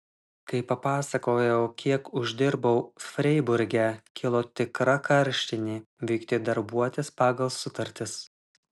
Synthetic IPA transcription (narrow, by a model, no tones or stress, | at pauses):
kɐɪpɐpɑːsɐkoːjɛʊkʲʰiɛkʊʒʲd̪ʲɪɾbɐʊfʲɾʲɛɪbʊɾʲɡʲɛkʲʰɪlˠoːt̪ʲɪkɾɐkʰɐɾʲʃʲt̪ʲɪnʲiːʋʲɛɪkt̪ʲeːd̪ɐɾbuɔt̪ʲespɑːɡɐlˠsʊt̪ɐɾʲt̪ʲɪs